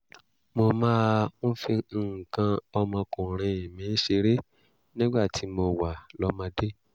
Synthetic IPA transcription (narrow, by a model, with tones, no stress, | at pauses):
mo˧mãː˦˧n̩˦fĩ˧˨kã˧ɔ˧mɔ̃˧kũ˨ɾ̃ĩ˧i˨mĩ˨˦n̩˦ʃe˧ɾe˦ | nĩ˦ɡ͡ba˦˨ti˨˦mo˧wa˨lɔ˨˦mã˧de˦